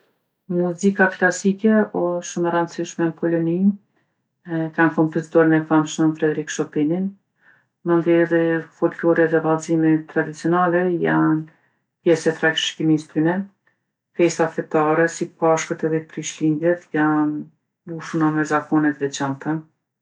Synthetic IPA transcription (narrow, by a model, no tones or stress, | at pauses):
muzikaklasikɛɔʃumɛɾand̪siʃmɛnkɔlɔnin | ɛkankɔmpɔzit̪ɔɾinɛfamʃnənfɾɛd̪ɛɾikʃɔpinin | mənd̪ɛðifɔlklɔɾɛðɛvalzimɛt̪ːɾad̪it͡siɔnalɛjan | pjɛsɛt̪ɾakʃkimist̪ynɛ | fɛsaθɛt̪aɾɛsipaʃkət̪ɛðɛpɾiʃlind̪jɛt̪jan | b̪uʃunamɛzakɔnɛt̪vɛt͡ɕant̪a